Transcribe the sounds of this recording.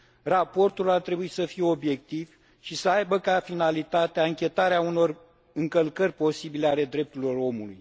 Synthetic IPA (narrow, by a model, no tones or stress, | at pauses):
rapo̞rt̪ulart̪ɾe̞buit̪səfijeo̞bje̞k̚t̪iv | ʃisəajbəkafinalit̪at̪eaɨŋkʲe̞t̪aɾeauno̞r | ɨŋkəlkərʲpo̞sibileale̞d̪ɾe̞p̚t̪uɾilo̞ro̞mulṵj